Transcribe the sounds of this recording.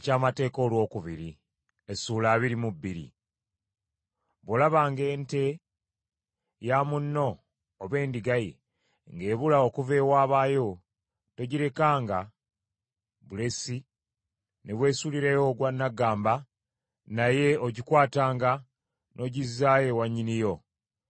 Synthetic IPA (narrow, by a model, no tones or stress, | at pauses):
ecaːmate̞ːko̞ːlwo̞ːkuβiɾi | esuːlaːβiɾimubːiɾḭ | βolaβaːŋɡe̞ːnte̞ | jamunːo̞ː | βe̞ːndiɡajḭ | ŋɡe̞ːβulaokuve̞ːwaːβaːjo̞ | to̞ɟiɾe̞kaːŋɡa | βule̞si | neβwe̞ːsuliɾejoɡwanːaɡaːmba | naje̞oɟikwaːtaːŋɡa | nʔo̞ːɟizːaːjewaɲːinijo̞